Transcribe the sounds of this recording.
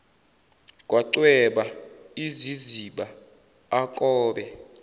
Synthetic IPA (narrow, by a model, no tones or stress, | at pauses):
k̬ʼwaǀwɛɓaiziziɓaː | kʼɔːɓɛ